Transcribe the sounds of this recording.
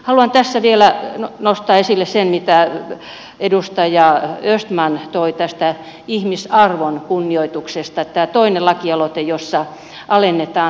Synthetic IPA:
hɑluɑnt̪æsːæʋielænost̪ɑːesilːessenmit̪æ | edust̪ɑjɑøst̪mɑnt̪oit̪æst̪æ | ihmisɑrʋonkunːioit̪uksest̪ɑet̪ːæːt̪oinelɑkiɑlot̪ejosːɑ | ʔɑlenːet̪ɑː

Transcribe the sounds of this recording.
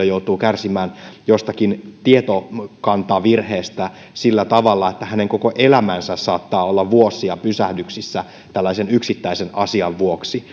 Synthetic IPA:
ojout̪uːkærsimæːnjost̪ɑkint̪iet̪okɑnt̪ɑːʋirheːst̪æ | silːæt̪ɑʋɑlːɑet̪ːæhæneŋkokoʔelæmænsæssɑːt̪ːɑːolːɑʋʋuosːˑiɑpysæhdyksisːæ | t̪ælːæisenyksit̪ːæisenɑsiɑʋʋuoksi

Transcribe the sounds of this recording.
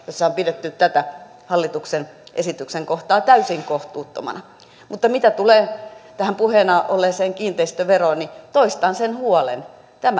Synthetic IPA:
josːɑompidet̪ːyt̪t̪æt̪æ | hɑlːit̪uksenʔesit̪ykseŋkoht̪ɑːt̪æysiŋkoht̪uːt̪ːo̰mɑ̰nɑ | mut̪ːɑmit̪æt̪uleːt̪æhæmpuheːnɑʔolːeːseːŋkiːnt̪eist̪øʋeroːnnit̪oist̪ɑːnsenhuolḛn | t̪æmæ

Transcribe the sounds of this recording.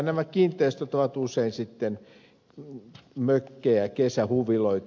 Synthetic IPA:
næmækiːnt̪ˑeist̪ot̪oʋɑt̪useinsit̪ːen | møkːeːækesæhuʋiloit̪

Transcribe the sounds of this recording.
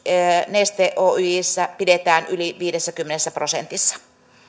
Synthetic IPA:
nest̪eːʔoːyjisːæpidet̪æːnʔyliʋiːɾesːækymːenesːæprosḛnt̪isːɑ̥

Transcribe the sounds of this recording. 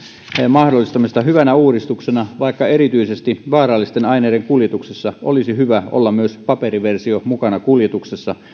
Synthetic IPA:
mɑhdolːˑist̪ɑmist̪ɑhyʋænæuːɾist̪uksenɑʋɑikːɑeɾit̪yisest̪iʋɑːrɑlːist̪enɑineːɾeŋkuljet̪uksesːɑʔo̰lisihyʋæo̰lːɑmmyøspɑperiʋersiomukɑnɑkuljet̪uksesːɑ

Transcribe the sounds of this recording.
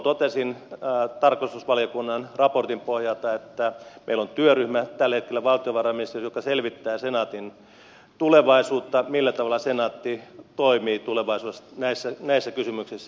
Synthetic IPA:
t̪ot̪esint̪ɑrkost̪usʋɑljokunːɑnrɑport̪impohjɑlt̪ɑet̪ːæmḛilont̪yøryhmæt̪ælːet̪̚kelːæʋɑlt̪ioʋɑrɑmist̪ːisjokːˑɑselʋit̪ːæːsenɑːt̪in | t̪uleʋɑisuːt̪ːɑmilːæt̪ɑʋɑlːɑsenɑːt̪ːit̪oimiːt̪uleʋɑisuesnæisːænæisːækysymyksisːæ

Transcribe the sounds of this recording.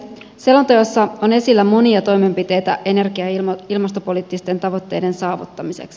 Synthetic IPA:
se̞lont̪ɑjosːɑone̞silːæmo̞niɑt̪o̞jme̞mpit̪e̞jt̪æ̰ʔe̞ne̞rkiɑilmɑst̪o̞po̞liːt̪ːist̪e̞nt̪ɑʋo̞t̪ːe̞̰jde̞nsɑːʋṵt̪ːɑmisḛks

